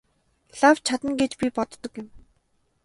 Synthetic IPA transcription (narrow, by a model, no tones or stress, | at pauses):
ɮaw̥t͡ɕʰat̪ə̆ŋɡet͡ɕpʲipɔt̪ːɞ̆kjɪ̆m